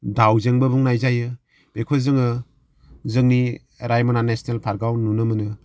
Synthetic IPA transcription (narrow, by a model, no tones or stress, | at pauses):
dawzeŋbɯbuŋnajzajɯ | b̥ekʰozɯŋɯ | zɯŋni | ɾajmananesnelpʰaɾɡawnunɯmɯnɯ